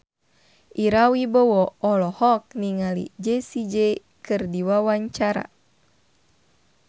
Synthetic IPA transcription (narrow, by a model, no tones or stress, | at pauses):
ʔiɾawibɔwɔɔlɔhɔk̚niŋalḭd͡ʒesid͡ʒe | kɨrdiwawaɲt͡ʃaɾa̰